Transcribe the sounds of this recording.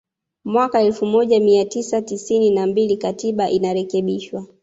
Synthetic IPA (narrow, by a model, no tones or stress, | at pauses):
mwakaɛlfumɔʄamiatisatisininambilikatiɓaʔinaɾɛkɛɓiʃwa